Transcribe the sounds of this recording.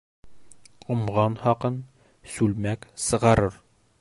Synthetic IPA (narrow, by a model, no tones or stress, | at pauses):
ŏmʁɑnhɑqɤn | sʉlmæksɤ̆ʁɑɾɤɾ